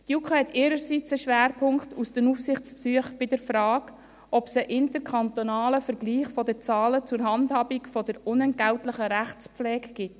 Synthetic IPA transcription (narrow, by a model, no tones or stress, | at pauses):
tjukχəɛtɪːɾəɾsit͡səʃʋæːɾpʰʊŋktusd̥ənufsɪχt͡spsyəχb̥ɪdəɾfɾɑːɡ | ɔpsəʔɪntəɾkʰɑnt̪onɑːləfəɾɡ̥liːχfɔdəɾt͡sɑːlət͡sʊɾɦɑndhɑːbikfɔdəɾʊnɛnt̚ɡ̥æʊtlɪχəɾæχt͡spflɛːɡɡ̥ɪt